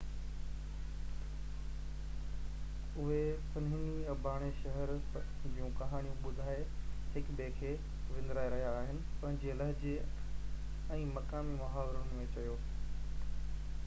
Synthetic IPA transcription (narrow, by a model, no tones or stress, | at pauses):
ʊɦesɐnɦɪniɐbʱaːɽ̃eʃɐɦɛɾd͡ʑiːũkɐɦaːñijũɓʊd̪ʱaːeɦɪkbeːkʰeː | ʋɪ̃nd̪ɾaːeɾɐɦijaːɦɪnɪ̆pɐ̃ɦɪ̃ɲd͡ʑeːləɦd͡ʑeː | ɛ̃ːmɐkaːmimɐɦaːʋɪɾʊnmẽt͡ɕɐjoː